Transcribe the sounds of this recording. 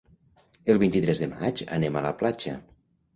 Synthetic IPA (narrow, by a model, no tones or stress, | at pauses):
əlˠβint̪it̪ɾɛzðəma̰d͡ʒə̰nemələplad͡ʒə̰